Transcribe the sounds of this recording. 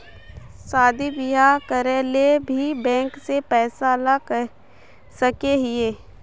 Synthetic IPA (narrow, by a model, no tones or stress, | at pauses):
saːd̪ibɪjakəɾelebʱibɛ̃ːŋksepɛːsalak | səkeɦɪeː